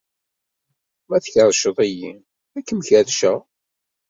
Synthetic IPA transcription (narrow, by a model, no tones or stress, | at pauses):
mæθçəɾˤʃəðˤiji | ækːəmçæðʃæ